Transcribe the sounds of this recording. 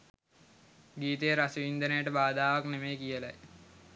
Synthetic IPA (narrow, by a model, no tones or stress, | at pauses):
ɡiːt̪ejəɾasəʋind̪ənəjəʈəbaːd̪aːʋaknemejkijəla̰j